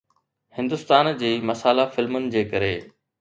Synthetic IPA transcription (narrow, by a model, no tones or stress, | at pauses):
hɪ̃nd̪ʊst̪aːnd͡ʑiːmɐsaːlafɪlmʊnɪ̆d͡ʑeːkɐɾeː